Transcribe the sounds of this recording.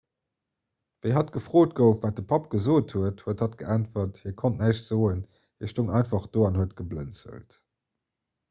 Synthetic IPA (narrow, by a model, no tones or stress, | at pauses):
veɦɑtɡ̥əfʁ̥oːt̚ɡəʊfvaːt̚dəpʰɑpɡ̥əzoːthuəthuəthɑtɡ̥əʔæntfɐthiːɐkʰontnæʃz̥oːən | hiəɐʃtoŋɑɪnfɑχd̥oːɑnhuətɡ̥əblə̰nt͡sə̰lt